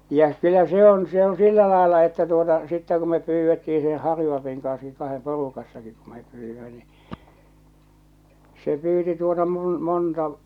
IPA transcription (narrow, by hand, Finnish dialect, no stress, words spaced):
jæ kylˑæ se on se õː silːæ lɑˑelːɑ etːæ tuotɑ sitːæ ku me pyːʋːetːii se hɑrjuɑl̞ɑpiŋ kɑnski kɑhem porukɑsːɑkik ku mep pyːʋːimæ ni se pyːti tuotɑ mul montɑ